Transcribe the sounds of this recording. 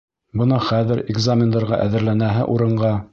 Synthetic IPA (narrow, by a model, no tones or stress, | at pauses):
bɤ̆nɑχæðɘɾɪɡzamʲɪnd̪ɑɾʁɑʔæðɘ̆ɾlænæɦɘ̰ʔuɾɤ̆ɴɢɑ